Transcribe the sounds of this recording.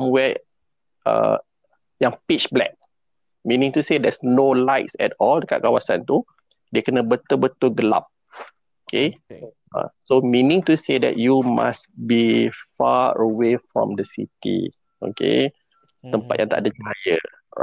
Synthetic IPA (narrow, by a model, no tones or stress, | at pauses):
amwɛ | ə̰ | jãŋpit͡ʃblɛ̰k̚ | mĩnĩŋt̪usedɛsnolaɪtsɛ̰tɔldəka̰ʔ̚kawasãnt̪u | dekənəbət̪əbət̪əɡəla̰p̚ | okʰe | ʔã̰somĩnĩŋt̪usedɛ̰t̚juma̰sbifaəwefɹɔ̰̃mdəsḭt̪ḭ | ʔo̰kḛ | t̪əmpat̚jãŋt̪a̰ʔdəd͡ʒuɦajə